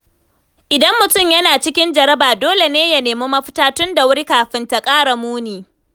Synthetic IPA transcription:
ʔɪ˨dɐ˦mːʊ˨tʊ˦˨mjɐ˦naː˨t͡ʃɪ˦kʲɪ˦nd͡ʒɐ˨ɾɐ˦baː˨doː˦le˨neː˦jɐ˨neː˨muː˦mɐ˦ɸɪ̥˦taː˦tʊ˦nda˨wʊ˦ɾi˦kaː˨ɸɪ˦nta˨kʼaː˦ɽa˨muː˦niː˨

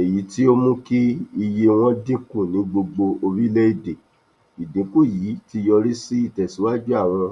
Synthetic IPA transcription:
e˨ji˨˦ti˦o˦mũ˦ki˦i˧je˧w̃ɔ̃˦dĩ˦kũ˦˨nĩ˨˦ɡ͡bo˧ɡ͡bo˧ʔo˧ɾi˦lɛ˦i˦˨de˨ | i˨dĩ˨˦ku˦˨ji˨˦ti˧jɔ˧ɾi˦si˦i˦˨tɛ˨si˨˦wa˦d͡ʒu˦a˦˨ɾ̃ã˧

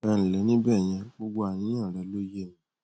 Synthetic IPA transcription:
ɛ˧ñ̩˨lɛ˨˦nĩ˦bɛ˦˨j̃ɛ̃˧ɡ͡bo˧ɡ͡bo˧a˨j̃ĩ˨˦ã˦˨ɾɛ˨˦lo˦je˦˨j̃ĩ˧

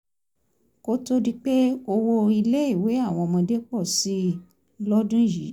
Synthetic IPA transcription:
ko˦to˦di˦k͡pe˦o˧wo˧i˧le˦i˦˨we˨˦a˦˨w̃ɔ̃˧mɔ̃˧de˦k͡pɔ˦˨si˦ | lɔ˦dũ˦˨ji˨˦

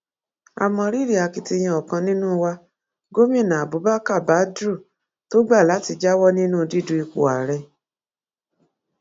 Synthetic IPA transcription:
a̰˨mɔ̃˧ɾi˦ɾi˦˨a˨ki˧ti˧j̃ĩ˧ɔ˨kã˧nĩ˦nũ˦˧wa˧ | ɡo˦mĩ˦˨nã˨bu˨˦ba˦ka˦˨ba˨˦dɾu˦˨ | to˦ɡ͡ba˦˨la˨˦ti˧d͡ʒa˦wɔ˦nĩ˦nũ˦˧di˦dũ˧˦i˧k͡pṵ˨a̰˨ɾɛ˧

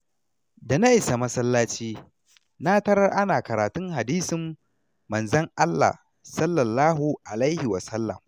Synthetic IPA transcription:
da˨na˦ʔɪ˨sa˨mɐ˦sɐ˦lːaː˦t͡ʃiː˦ | na˦tɐ˦ɾɐ˦rʔa˦naː˨kɐ˨ɾaː˨tʊ˦ŋɦa˨diː˦sɪ˨mː | ɐ˨nzɐ˦ŋʔa˦lːa̰˨h | sɐ˦lːɐ˨lːaː˦ɦu˨ʔa˨lɐ˦jhɪ˨wɐ˨sɐ˦lːɐ̰˨m

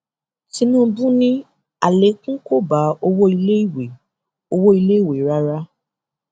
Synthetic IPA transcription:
sĩ˧˦nũ˦bũ˦nĩ˦ | a˨le˨˦kũ˦ko˦ba˨˦o˧wo˦i˧le˦i˦˨we˨ | o˧wo˦i˧le˦i˦˨we˨ɾa˦ɾa˦

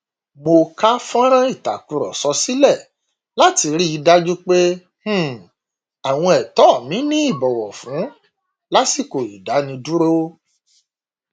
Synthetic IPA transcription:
mo˧ka˦fɔ̃˦ɾ̃ã˦i˦˨ta˨ku˨˧ɾɔ̰˨sɔ˧si˦lɛ˦˨ | la˦ti˧ɾi˦i˧da˦d͡ʒu˦k͡pe˦ | h̩˦˨ | a˨w̃ɔ̃˧ɛ˨tɔ˦˨mĩ˨˦nĩ˦i˦˨bɔ˨wɔ˨fũ˨˦ | la˦si˦˨ko˨i˨da˨˦nĩ˧du˦ɾo˦

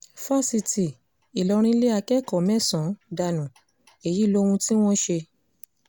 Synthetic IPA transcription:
fa˦si˧ti˨ | i˨lɔ˧˦ɾ̃ĩ˦le˦a˧kɛ˦kɔ˨mɛ̃˦˨sɔ̃˨˦da˧nũ˨ | e˨ji˨˦lo˦˧wũ˧ti˦w̃ɔ̃˦ʃe˧

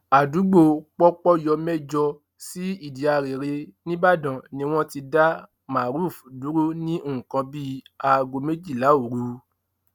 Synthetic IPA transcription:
a˨du˨˦ɡ͡bo˦˨k͡pɔ˦k͡pɔ˦jɔ˧mɛ˦d͡ʒɔ˧ | si˦i˦˨di˨a˧ɾe˨ɾe˧nĩ˦ba˦˨dã˨nĩ˧w̃ɔ̃˦ti˧da˦ | ma˨ɾu˦˨fdu˨˦ɾo˦nĩ˦õ˦˨kã˧bi˦a˧ɡo˧me˦d͡ʒi˦˨la˨˦o˨ɾu˨˦

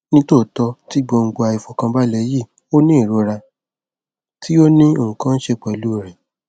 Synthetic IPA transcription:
nĩ˦to˦˨tɔ˧ti˦ɡ͡bo˧ŋ̩˧ɡ͡bo˧a˧i˨fɔ˨kã˧ba˦lɛ˨˦ji˦˨ | o˦nĩ˦i˦˨ɾo˧ɾa˧ | tʰi˦o˦nĩ˦o˦˨ũ˨kã˦n̩˦ʃe˧k͡pɛ˨lu˦˨ɾ̃ɛ̃˨

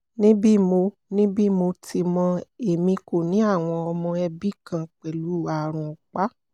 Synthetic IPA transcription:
nĩ˦bi˦˨mo˧ | nĩ˦bi˦˨mo˧ti˧mɔ̃˧e˨mĩ˧ko˨nĩ˨˦a˦˨w̃ɔ̃˧ɔ˧mɔ̃˧ɛ˧bi˦kã˧k͡pɛ˨lu˨˦˨a˧˨ɾ̃ũ˨k͡pa˦

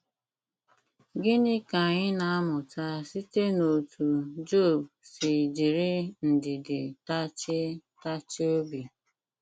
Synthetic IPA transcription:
ɡɪ˦nɪ˦ka˨ɲɪ˦na˨a˦mʊ˨ta˦si˦te˦no˨tʰu˨d͡ʒo˦˨b | sɪ˨d͡ʒi˨ɾɪ˦n̩˨dɪ˨dɪ˨ta˦t͡ʃɪ˦ta˦t͡ʃɪ˦o˦bi˨

